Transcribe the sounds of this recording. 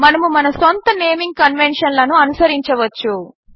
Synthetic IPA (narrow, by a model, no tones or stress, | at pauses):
mɐnɐmumɐnɐsont̪ɐneːmiŋɡ̚kɐnʋenʂɐnlɐnuɐnusɐɾiɲt͡ʃɐʋɐt͡ʃːu